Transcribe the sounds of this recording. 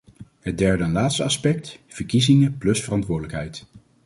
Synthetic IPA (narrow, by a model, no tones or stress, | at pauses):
ɦəd̚dɛɹdənlaːtstəɑspɛk̚tv̥əɹkizɪŋəplɵsfərɑntʋʊːɹdələkɦɛjt